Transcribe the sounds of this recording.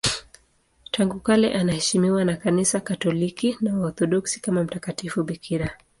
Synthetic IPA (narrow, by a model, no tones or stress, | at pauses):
tʰaŋɡukalɛ̰ʔanahɛʃimiwanakanisakatɔlikinawaɔθɔɗɔksi̥kamam̩takatifuɓikʰiɾa